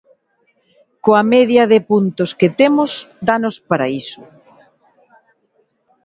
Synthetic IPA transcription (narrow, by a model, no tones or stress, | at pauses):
koamɛðjɐðepunt̪osket̪emʊsd̪anospaɾaisʊ